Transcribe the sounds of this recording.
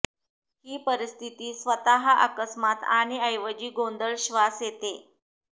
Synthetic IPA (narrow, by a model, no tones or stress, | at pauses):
hiːpəɾist̪ʰit̪iːsʋət̪aɦaʔə̰kəsmat̪aɽ̃iəjʋəd͡ʑiːɡond̪əɭɕʋasjet̪e